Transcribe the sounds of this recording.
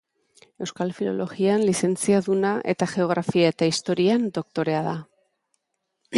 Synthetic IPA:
e̞wskalfilo̞̰lo̞ɣianlise̞nt͡siaðunaʔe̞̰t̪aɣe̞o̞ɣ̞ɾafiae̞t̪aist̪o̞ɾiand̪o̞k̚t̪o̞ɾe̞aða

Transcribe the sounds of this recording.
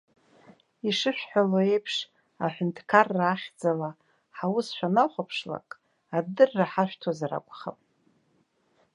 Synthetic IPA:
iʂɨʃᶣħaloe̞jpʰʂ | aħʷᶣʊntʰʼkʰarːaːχʲd͡zala | ħawʊsʃʷᶣanaχʷapʰʂla̰kʼ | adɨrːaħaʃᶣʷtʰazaɾa̰kʷʼχa̰pʼ

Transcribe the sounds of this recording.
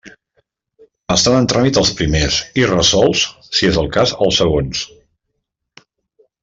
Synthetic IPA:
əst̪anənt̪ɾamit̪əlˠspɾimesirəsɔlˠs | siezəlˠkazəlˠsəɣons

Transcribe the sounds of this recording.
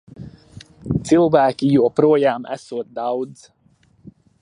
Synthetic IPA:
silvaːkijoːpɾoːjaːmɛ̰soːt̪̚d̪ɑwd̪z

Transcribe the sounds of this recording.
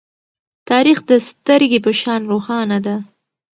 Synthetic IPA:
t̪ɑɾixd̪əst̪əɾɡepəʃɑnɾoxɑnad̪a

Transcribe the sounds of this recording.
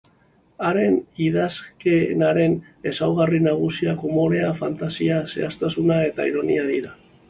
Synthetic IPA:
aɾe̞niðaske̞naɾe̞n | e̞sawɣ̞arinaɣ̞usiakomo̞ɾe̞afant̪asiase̞̰ast̪asunae̞t̪a̰ḭɾo̞niaðiɾa

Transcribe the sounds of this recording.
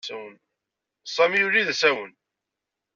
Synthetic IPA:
æwən | sˤːæmijuɾiðæsæwən

